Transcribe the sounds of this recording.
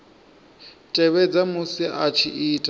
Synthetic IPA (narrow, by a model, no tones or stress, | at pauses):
tʼɛβɛd͡zamʊsiʔat͡ʃʰiʔiːtʼa